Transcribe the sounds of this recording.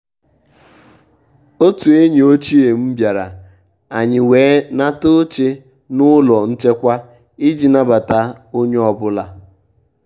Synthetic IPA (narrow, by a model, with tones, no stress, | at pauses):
o˦tu˨e˦ɲe˨o˦t͡ʃi˦e˨m̩˦bja˨ɾa̰˨ | a˨ɲɪ˨weː˨˦na˦to˦t͡ʃe˦ | nʊ˦lɔ˨n̩˦t͡ʃe˦kʷa˦ | i˦d͡ʒi˨na˦ba˨ta˦o˦ɲe˦ɔ˨bʊ˦la˨